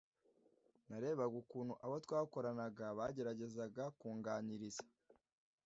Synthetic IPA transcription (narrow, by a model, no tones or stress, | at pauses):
naɾe̞ːβaɡukuːnhuʔaβotwaːko̞ɾanaɡaβaɟe̞ɾaɟe̞zaɡakuːŋɡaːɲiɾizḁ